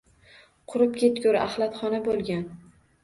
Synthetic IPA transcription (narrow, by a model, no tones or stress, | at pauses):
qʰʊɾɪp̚kʲʰet̪kʲʰʊɾa̰χlˠat̪χɒnabolˠɡʲan